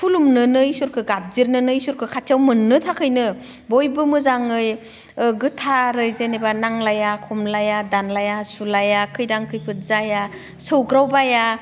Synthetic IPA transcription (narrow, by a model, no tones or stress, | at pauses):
pʰulumnɯnɯisuɾkʰɯɡap̚ziɾnɯnɯisuɾkʰɯkʰatʰjawmɯnːɯtʰakʰɯjnɯ | bojbɯmɯzaŋɯj | ɡɯtʰaɾɯjzenebanaŋlajakʰɔmlajadanlajasulajakʰɯjdaŋkʰɯjpʰɯt̚zaja | sɯwɡɾawbaja